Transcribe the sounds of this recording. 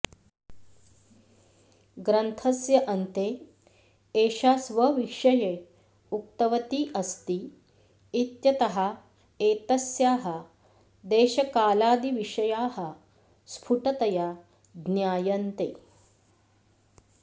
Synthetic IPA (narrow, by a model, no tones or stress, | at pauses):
ɡɾɐnt̪ʰɐsjɐʔɐnt̪eː | eːʃaːsʋɐʋiʂɐje | uk̚t̪ɐʋɐt̪iːʔɐst̪iː | t̪jɐt̪ɐɦɐ | eːt̪ɐsjaːɦɐ̆ | d̪eːʃɐkaːlaːd̪iʋiʂɐjaːɦɐ | spʰuʈɐt̪ɐja | d̪njaːjɐnt̪eː